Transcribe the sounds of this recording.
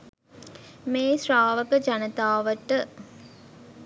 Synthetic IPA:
meːsraːʋəkəd͡ʒanət̪aːʋəʈə

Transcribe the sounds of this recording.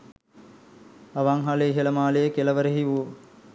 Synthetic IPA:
ɐʋaŋɦaleɦelɐmaːlejəkelɐʋəɾəɦiʋu

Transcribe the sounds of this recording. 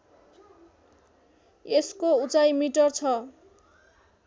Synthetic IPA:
eskout͡sajmiʈʌrt͡sʰʌ

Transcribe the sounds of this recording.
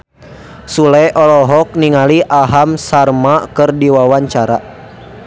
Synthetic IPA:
sulɛʔɔlɔɦɔk̚niŋaliʔaɦamsarmakɨrdiwawaɲt͡ʃaɾa

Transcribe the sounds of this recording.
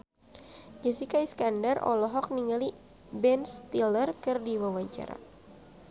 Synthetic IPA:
d͡ʒasikaiskandarɔ̰lɔɦɔk̚niŋali | bɛnst̪ilərkɨrdiwawaɲt͡ʃa̰ɾa̰

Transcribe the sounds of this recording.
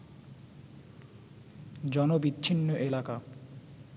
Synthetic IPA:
d͡ʑɔnobitːɕʰinːoʔelaka

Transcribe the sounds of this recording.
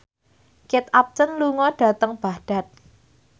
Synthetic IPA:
kɪt̪ap̚t͡ʃənluŋɔɖ̥a̤t̪əŋb̥a̤hɖ̥a̤t̪̚

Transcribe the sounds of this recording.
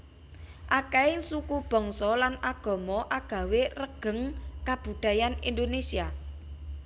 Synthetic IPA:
ʔakɛesukub̥ɔ̤ŋsɔlanaɡ̥ɔ̤mɔʔaɡ̥ä̤werəɡ̥ə̤ŋkab̥ṳd̪̥a̤janind̪onesia

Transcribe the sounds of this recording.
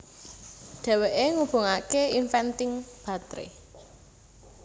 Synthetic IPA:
ɖ̪̥ɛ̤weʔeŋub̥o̤ŋakeinfɛnt̪ɪŋb̥a̤t̪ɾḛ

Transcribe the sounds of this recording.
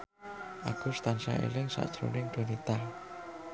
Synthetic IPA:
ʔakust̪ansa̰ʔḛlɪŋsa̰ʔd̥ʒ̥ɾo̰nɪŋd̪̥o̤nit̪a

